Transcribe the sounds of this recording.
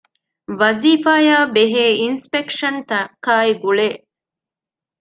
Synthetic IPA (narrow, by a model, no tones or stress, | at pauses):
ʋɐziːfaːjaːbeɦeːinspekʂɐnt̪ɐkaːiɡuɭe